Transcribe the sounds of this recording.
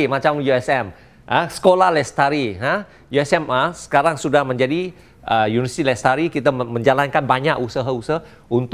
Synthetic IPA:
imat͡ʃamjuɛsɛm | əsə̥kolahlɛst̪aɾiɦə | juɛsɛməsə̥kaɾaŋsudahməɲd͡ʒadi | ʔəjunivəsi̥t̪ilɛst̪aɾikit̪amə̃ɲd͡ʒalankanbaɲakusaɦəusəh | unt̪

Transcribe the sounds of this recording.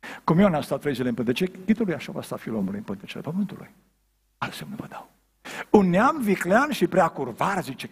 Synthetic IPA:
kumjonast̪at̪ːɾejzilempɨnt̪et͡ʃekʲit̪ulujaʃava̰st̪afiulomulujɨmpɨnt̪et͡ʃelḛpəmɨnt̪ulṵj | alsemnuvəd̪aw | unːeamvikleanʃipɾeakurvaɾzit͡ʃe

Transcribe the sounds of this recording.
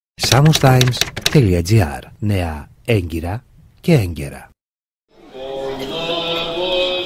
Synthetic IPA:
samust̪ajmsθeliad͡ʒia̰ɾnea | eŋɡiɾa | keɛŋɡḛɾa̰

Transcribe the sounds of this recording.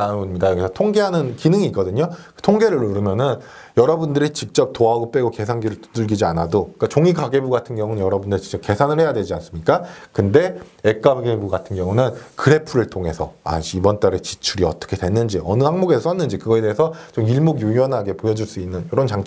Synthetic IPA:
aumɲidajʌɡisʰatʰoŋɡe̞ɦanɯnkinɯŋiːk͈ʌdɯɲokɯ̥tʰoŋɡe̞ɾɯɭuɾɯmjʌnɯn | jʌɾʌbundɯɾit͡ɕik̚t͡ɕ͈ʌp̚t͈oaɡop͈e̞ɡoke̞sʰaŋɡiɾɯɭtu̥dɯɭɡid͡ʑianadoik͈at͡ɕoŋiɡaɡe̞buɡatʰɯnɡjʌŋunɯnɲjʌɾʌbundɯɾit͡ɕi̥t͡ɕʌp̚ke̞sʰanɯɭhe̞jadwe̞d͡ʑians͈ɯmɲik͈akɯnde̞ek͈aɡebuɡatʰɯnɡjʌŋunɯnkɯɾe̞pʰuɾɯɭtʰoŋe̞sʰʌ̰a̰ɕiibʌnt͈aɾet͡ɕi̥t͡ɕʰuɾiʌt͈ʌ̥kʰe̞twe̞nːɯnd͡ʑiʌnɯhaŋmoɡess͈ʌnːɯnd͡ʑikɯɡʌede̞esʰʌt͡ɕomiɭmoɡjuiʌnɦaɡe̞pojʌd͡ʑuɭs͈uinːɯnjoɾʌnt͡ɕaŋt͡ɕ

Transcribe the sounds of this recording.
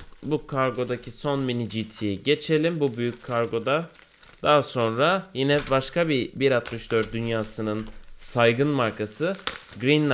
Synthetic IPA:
bukʰaɾɡo̞d̪acʰiso̞nminid͡ʒit̪ʰijiɟe̞t͡ʃʰe̞lʲimbubyjycʰkʰːaɾɡo̞d̪a | d̪̥aɦaso̞nɾajinɛbaʃkʰabibiɾat̪mɯʃd̪øɾt̪̚d̪ynjaːsɯnɯnsajɡɯnmaɾkʰasɯɡɾin

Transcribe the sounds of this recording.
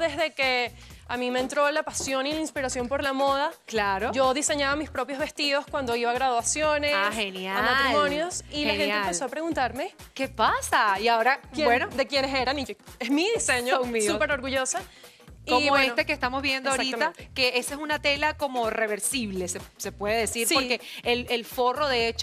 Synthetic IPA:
ðe̞zðe̞ke | amimeːnt̪ɾo̞lapasjo̞nilainspiɾasjo̞mpo̞ɾlamo̞ð̞aklaɾod͡ʒoðise̞ɲaβamispɾo̞pjo̞zβe̞st̪iðo̞skwand̪o̞iβaɣɾaðwasjo̞nesaxenjaamat̪ɾimo̞njosilaxenaeemmpeoapɾe̞ɣunt̪aɾme̞ | ke̞pasaiao̞ɾabwenod̪ekjeneseɾaniesmiðiseɲouŋmiupeɾoɾɣuʝosa | iomoet̪ekest̪amo̞zβje̞nd̪oaoaɾit̪aateke̞esesunat̪e̞lako̞mo̞re̞βe̞ɾsiβle̞sese̞pwe̞ðeðesiɾpsoɾkeelelfo̞ro̞ðeet͡ʃ

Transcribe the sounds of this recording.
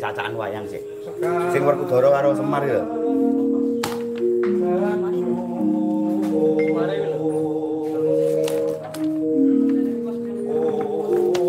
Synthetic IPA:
sa̰t͡ʃaʔanwa̰ja̰ŋsɪ̰ | sɪŋwərkud̪̥ɔ̤ɾɔkaɾosəmarjɔ

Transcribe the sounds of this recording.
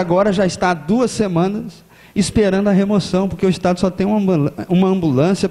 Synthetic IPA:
aɡɔɾɐʒaist̪ad̪uɐsːemɐ̃nɐs | ispeɾɐ̃nd̪ʊɐɦemosɐ̃w̃poɾkeʊist̪ad̪ʊsɔt̪ẽj̃ũmɐ̃ũmɐɐ̃mbulɐ̃sjɐ

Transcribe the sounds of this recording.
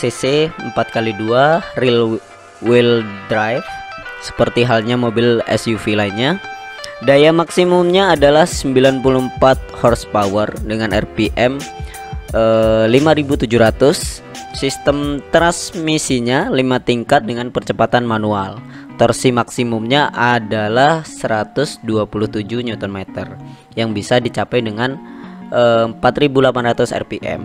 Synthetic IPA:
seseəmpat̪̚kaliduaril | wɪldɾajf | sə̥pərt̪iɦalɲamobɪlɛ̰sjufilaiɲa | dajamaksimʊmɲaːdalahsəmbilanpulʊmpat̪̚hɔrspawərdəŋanɛ̰rpiʔɛm | əlimaɾibut̪ud͡ʒuhɾat̪ʊsː | ist̪əmt̪ɾansmisiɲalimat̪iŋkat̪̚dəŋanpərt͡ʃəpat̪anmanual | t̪ɔrsimaksimʊmɲaʔadalahsəɾat̪ʊsduapulʊht̪ud͡ʒuhɲɔt̪ɔnmɛt̪ər | jaŋbisadit͡ʃapajdəŋanəmpat̪ɾibulapanrat̪ʊsɛ̰rpiʔɛ̰m

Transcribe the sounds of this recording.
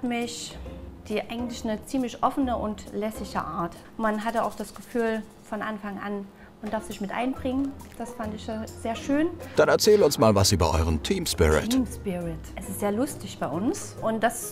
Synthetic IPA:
tmɪçd̥iːʔaɪɡŋ̩tlɪçnət͡siːmlɪçʔɔfənəʔʊntlɛsɪçə̰ʔaːɐt | manɦatəa̰ʊxd̥asɡ̥əfyːl | fɔnʔanfaŋʔan | ʔʊntd̥aɐfsɪçmɪtʔa̰ɪnbʁɪŋənd̥asfantɪçjaz̥eːɐʃøːnd̥anɛɐt͡sɛːlʊnsmaːlvasʔyːbɐ̰ʔɔ̰ʏʁəmtʰiːmspɪ̰ʁɪ̰tːmspɪʁɪtʔɛsɪstz̥eːɐlʊstɪçb̥aɪʔʊns | ʔʊntd̥as

